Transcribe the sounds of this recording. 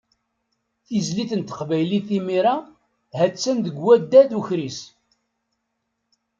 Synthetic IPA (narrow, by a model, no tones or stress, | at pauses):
θizliθənt̪ə̥qvæjliθimiɾa | hæt͡sːænd̪əɡwæd̪ːæðuçɾis